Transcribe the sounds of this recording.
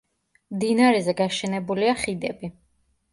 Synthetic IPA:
md̪inaɾɛzɛɡaʃɛnɛbuliaχid̪ɛbi

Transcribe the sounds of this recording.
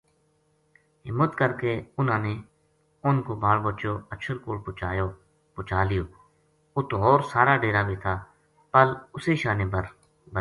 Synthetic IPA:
ɦɪmːət̪kəɾkeːʊnãːneː | ʊnkoːbaːɭbət͡ʃoːəʃʰəlkoːɽpʊt͡ʃaːjoː | pʊt͡ʃaːlɪjoː | ʊt̪oːɔːɾsaːɾaːɖeːɾaːbeːt̪ʰaː | pəlʊseːʃaːnẽːbəɾ | bə

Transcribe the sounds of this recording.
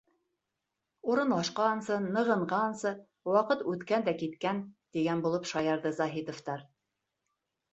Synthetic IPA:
uɾɤ̆nlˠɑʃqɑnsɤnɤ̆ʁɤ̆ɴʁɑnsɤ | wɑqɤt̪ʉt̪kænd̪ækit̪kænt̪iɡænbulˠɤpʃɑjɑɾðɤzɑɦit̪ŏft̪ɑɾ

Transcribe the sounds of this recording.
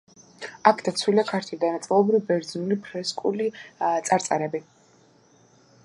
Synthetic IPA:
akʰd̪at̪sʰwiliakʰaɾt̪ʰid̪anat̪sʼilˠɔbɾivbɛɾd̪znulipʰɾɛskʼulit̪sʼaɾt̪sʼa̰ɾɛbi

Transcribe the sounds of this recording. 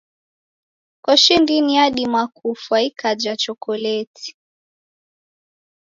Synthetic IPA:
kɔʃindiniaɗimakufwaikad͡ʒat͡ʃɔkɔlɛtʰi̥

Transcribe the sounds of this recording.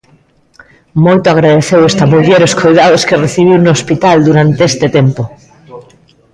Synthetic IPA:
mojt̪oaɣɾaðeθewest̪amoβjeɾoskojðaðoskereθiβ̞iwnoospit̪ald̪uɾant̪eest̪et̪empo

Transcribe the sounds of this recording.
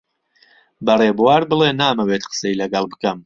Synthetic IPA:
bɐreːbuwaːɾbɨleːnaːmɐwet̪qə̥sɐilɐɡɐlˠbɨkɐm

